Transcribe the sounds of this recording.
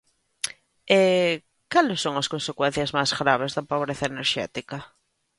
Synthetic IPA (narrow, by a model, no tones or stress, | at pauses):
e | kalɪsoŋɐskonsekwen̟θjɐzmazɣɾaβ̞ezðɐpoβ̞ɾeθaeneɾʃɛ̰t̪ikɐ